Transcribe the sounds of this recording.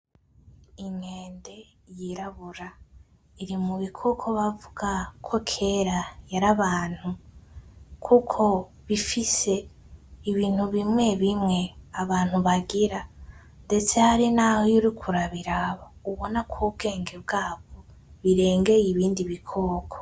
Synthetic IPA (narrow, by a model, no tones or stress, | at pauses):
iŋeːnde̞ | jiɾaβuɾa | iɾimuβikʰokʰo̞βavuɡ̥akʰo̞kʰe̞ɾajaɾaβaːn̥hu | kʰukʰo̞ | βifise̞ | iβiːn̥huβimŋe̞βimŋe̞aβaːn̥huβaɡiɾa | nde̞t͡sehaɾinaːhojuɾikʰuɾaβiɾaβouβo̞nakʰwuːbɡe̞ːŋɡebɡaːβoβiɾe̞ːŋɡe̞jiβiːndiβikʰokʰo̥